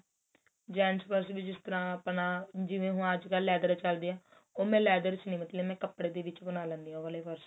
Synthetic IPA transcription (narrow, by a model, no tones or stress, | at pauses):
d͡ʒɛːnspəɾsbid͡ʒɪst̪əɾãːpənaːd͡ʒɪʋẽːɦũːəd͡ʒkəlːɛːd̪əɾt͡ʃəld̪eːãː | oːmɛ̃ːlɛːd̪əɾt͡ʃnĩːmət̪ləmɛ̃ːkəpːɽeːd̪eːʋɪt͡ʃpənaːlɛ̃ːnd̪iːãːʋəleːpəɾs